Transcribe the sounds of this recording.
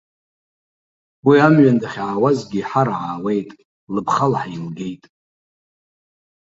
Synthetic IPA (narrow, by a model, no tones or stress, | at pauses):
wiamɥandaχʲʕawazɡʲiħaɾʕaːwe̞jtʼ | lɨbχalħailɡe̞jtʼ